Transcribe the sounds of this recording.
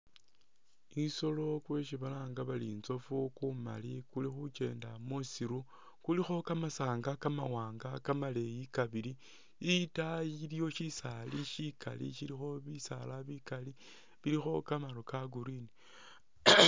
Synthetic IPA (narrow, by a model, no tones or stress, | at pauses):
iso̞lo̞kwe̞ʃ̬iβalaːŋɡaβalinzo̞fukuma̰likulixut͡ʃe̞ːndamusiɾu | kulixo̞kamasaːŋɡakamawaːŋɡakamale̞jikaβili | itailijo̞ʃisaliʃikʰa̰lḭʃilixo̞βisalaβikali | βilixo̞kamaɾokaɡuɾini